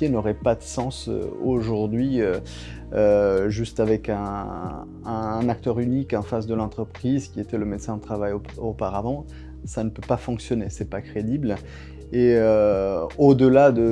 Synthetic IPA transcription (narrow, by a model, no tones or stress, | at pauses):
jenɔʁɛpad̪əsɑ̃sø̰oʒuʁd̪ɥiø | ʒyst̪avɛkɛ̃ː | ɛ̃nak̚t̪œʁynikɑ̃fasd̪əlɑ̃t̪χəpχizkʲiet̪ɛləmet̪sɛ̃d̪ət̪χavajopaʁavɑ̃ | sanəpøpafɔ̃ksjɔnesɛpakχed̪ibl | eø | od̪əlad̪ə